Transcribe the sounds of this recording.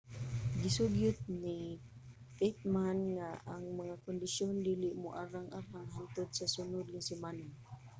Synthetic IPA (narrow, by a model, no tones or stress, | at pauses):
ɡɪsuɡjʊt̪̚ni | pet̪̚manŋaaŋmaŋakʊnd̪ɪʃjond̪ilɪʔmʊʔaɾaŋʔaɾaŋɦant̪ʊd̪̚sasʊnʊd̪̚ŋasɪmanan